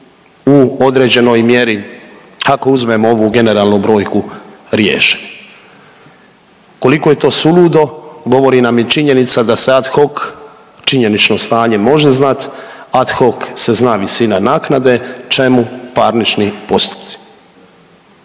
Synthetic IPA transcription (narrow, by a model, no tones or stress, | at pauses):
uo̞d̪ɾe̞ːd͡ʑe̞no̞jmje̞ɾi | ako̞uzme̞moo̞ʋuɡe̞ne̞ɾaːlnubɾo̞ːjkuɾjḛːʃe̥ | ko̞likoje̞t̪o̞ːsuluːd̪o̞ɡo̞ʋo̞ɾinamjit͡ʃiɲe̞nit̪sad̪ase̞at̪xo̞k | t͡ʃiɲe̞nit͡ʃno̞st̪aːɲe̞mo̞ʒeznat̪ad̪xo̞kse̞znaːʋisinanaːknad̪e̞t͡ʃe̞mupaɾnit͡ʃnipo̞st̪u̥pt̪si̥